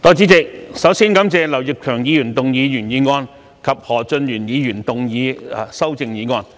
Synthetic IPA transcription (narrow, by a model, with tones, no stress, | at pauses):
t̪ɔː˧t͡siː˨˥t͡sɪ˨˧k̚sɐ˨˥wsiː˥nkɐ˨˥mt͡sɛː˧lɐ˨˩wjɪ˨k̚kʰœː˨˩ŋjiː˨˧jyː˨˩nt̪ʊ˨ŋjiː˨˧jyː˨˩njiː˨˧ŋɔː˧n | kʰɐ˨p̚hɔː˨˩t͡sɵ˧njyː˨˩njiː˨˧jyː˨˩nt̪ʊ˨ŋjiː˨˧sɐ˥wt͡sɪ˧ŋjiː˨˧ŋɔː˧n